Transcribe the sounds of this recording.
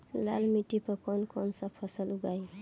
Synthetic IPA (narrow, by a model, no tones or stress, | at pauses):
la̰lmiʈipəkɔnkɔnsapʰːʌsəluɡaj